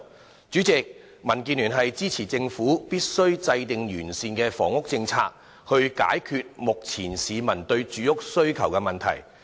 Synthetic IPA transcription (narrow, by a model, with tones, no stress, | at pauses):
t͡ʃyː˨˥t͡sɪ˨k̚ | mɐ˨˩nkiː˧nlyː˨˩nɦɐ˨jt͡siː˥t͡sʰiː˨˩t͡sɪ˧ŋfuː˨˥piː˥t̚sɵ˥ɥt͡sɐ˧jt̪ɪ˨ŋjyː˨˩nsiː˧nkɛː˧fɔ̰ː˨˩ŋʊ˥k̚t͡sɪ˧ŋt͡sʰa̰ː˧k̚ | hɵ˧ɥka̰ː˨˥jkʰyː˧t̚mʊ˨k̚t͡sʰiː˨˩nsiː˨˧mɐ˨˩nt̪ɵ˧ɥt͡ʃyː˨˥jʊ˥k̚sɵ˥ɥkʰɐ˨˩wkɛ˧mɐ˨nt̪ʰɐ̰˨˩j